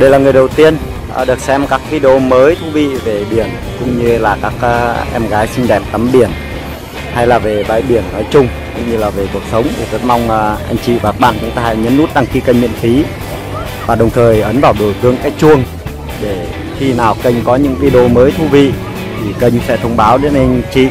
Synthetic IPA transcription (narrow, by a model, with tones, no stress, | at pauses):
ɗə˧jlaː˨˩ŋɨ˨˩əjɗə˨˩wt̪i˧ən˨˩ | ɗɨ˨˩ək̚sɛ˧mkaː˦˥k̚vi˧ɗi˧o˧məː˨˦jt̪ʰu˧vḭ˧˨ve˨˩ɓi˧˩ən | kʊ̰˧˥ŋ͡mɲɨ˧laː˨˩kaː˦˥k̚ːʔɛ˧mɣaː˨˦jsï˧ŋ̟ɗɛ˧˩m̚t̪ə˨˦mɓi˧˩ən | ha˧jlaː˨˩ve˨˩ɓa̰ː˧˨jɓi˧˩ənəː˨˦jt͡ɕʊ˧ŋ͡mkʊ̰˧˥ŋ͡mɲɨ˧laː˨˩ve˨˩ku˨˩ək̚sə˨˦wŋ͡mt̪ʰi˨˩zə˦˥t̚ma˧wŋ͡mːʔa˧jŋ̟t͡ɕḭ˧˨vaː˨˩k̚ɓa̰ː˧˨nt͡ɕʊ˨˦ŋ͡mt̪aː˧ha̰˧˨jɲə˨˦nːu˦˥t̚ɗa˧˩ŋxi˧kə˧ŋmḭ˧˨ənfi˨˦ | vaː˨˩ɗə˨˩wŋ͡mt̪ʰəː˨˩jʔə˨˦nvaː˨˩wɗo˧˩jt̪ɨ˨˧əŋkaː˨˦jt͡ɕu˧əŋ | ɗe˧˩ | xi˧naː˨˩wkə˧jŋ̟kɔ˨˦ɲɨ̰˧˥ŋvi˧ɗo˧məː˨˦jt̪ʰu˧vḭ˧˨ | t̪ʰi˨˩kə˧jŋ̟sɛ̰˧˥t̪ʰə˧wŋ͡mɓaː˨˦wɗe˨˦nʔa˧jŋ̟t͡ɕḭ˧˨